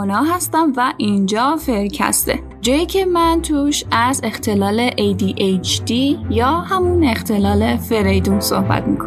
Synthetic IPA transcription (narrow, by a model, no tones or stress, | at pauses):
onɒːɦæst̪æmvæʔind͡ʒɒːfe̞ɾcʰæ̰st̪ḛ | d͡ʒɒːjiːcʰe̞mænt̪ʰuːʃæze̞xt̪ʰe̞lɒːleʔejd̪iʔet͡ʃʰd̪ijɒːhæmunext̪ʰe̞lɒːle̞fe̞ɾejd̪umso̰hbæ̰t̪̚mḭːkʰo